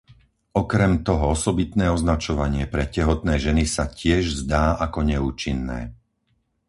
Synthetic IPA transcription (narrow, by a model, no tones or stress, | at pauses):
ɔkɾɛmt̪ɔɦɔɔsɔbit̪nɛːɔznat͡ʃɔʋaɲɪɛpɾɛcɛɦɔt̪nɛːʒɛnisacɪɛʒzd̪aːʔakɔɲɛuːt͡ʃinːɛ̰ː